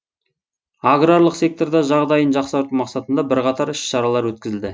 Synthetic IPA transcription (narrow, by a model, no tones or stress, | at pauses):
aɡraɾlˠəqse̞k̚t̪o̞ɾd̪ɑʒɑʁd̪ɑjənʒɑqsɑɾt̪uwmɑqsɑt̪ənd̪ɑbɪɾqɑt̪ɑɾɪʃʃɑɾɑlˠɑɾwɵt̪kʲɪzɪld̪ɪ